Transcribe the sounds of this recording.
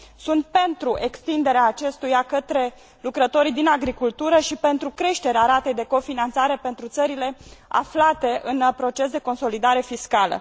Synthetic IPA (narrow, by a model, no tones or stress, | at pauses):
sunt̪̚pe̞nt̪ɾuʔe̞kst̪ind̪e̞ɾeaːt͡ʃe̞st̪ujakət̪ɾe̞ | lukɾət̪o̞ɾid̪inaɡɾikult̪uɾəʃipe̞nt̪ɾukɾe̞ʃt̪e̞ɾeaɾat̪ejd̪e̞ko̞finant̪saɾe̞pe̞nt̪ɾut̪səɾile̞a̰flat̪e̞ʔɨnpɾo̞t͡ʃe̞s̬d̪e̞ko̞nso̞lid̪aɾe̞fiskalə̰